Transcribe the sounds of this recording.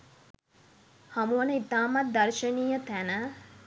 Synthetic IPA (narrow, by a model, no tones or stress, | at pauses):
hamuwənəit̪aːmat̪̚d̪ɐrʃəniːjət̪ænə